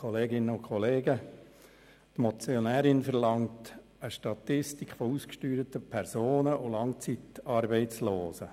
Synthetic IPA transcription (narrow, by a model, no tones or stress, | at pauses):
oleːɡɪnəʊkʰχoleːɡə | tmɔt͡sjonæːɾɪnfɛɾlɑŋt | əʃtɑtɪstikχfouːskʃtyːɾətəpʰɛɾzoːnəolɑŋt͡sitɑːɾbɛɪt͡sloːsə